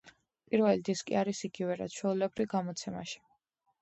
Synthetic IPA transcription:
pʼiɾvɛlid̪iskʼḭaɾisiɡivɛɾat̪ʃʰwɛulɛbɾiɡamɔt̪sʰɛma̰ʃi̥

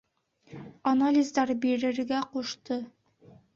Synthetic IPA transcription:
ɐnalʲɪzd̪ɑɾbiɾɘ̆ɾɡæquʃt̪ɤ

